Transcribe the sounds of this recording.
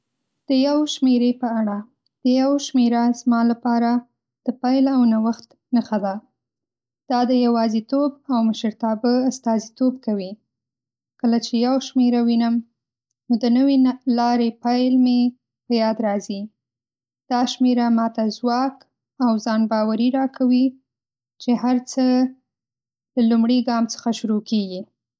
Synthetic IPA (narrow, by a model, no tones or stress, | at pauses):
d̪̥əjawʃmeɾepəaɽa | d̪̥əjawʃmeɾazmɑlapɑɾa | d̪̥əpajlawnawaxt̪ | nəxad̪a | d̪̥ɑd̪əjawɑzit̪obawməʃəɾt̪ɑbəast̪ɑzit̪ob̚kawi | kəlat͡ʃejawʃmeɾawinəm | nod̪ənəwelɑɾepajlme | pəjɑd̪ɾɑzi | d̪̥ɑʃmeɾamɑt̪azwɑk | awzɑnbɑwaɾiɾɑkawi | t͡ʃeɦaɾt͡sə | ləlumɽiɡɑmt͡sə̥xaʃuɾokeɡi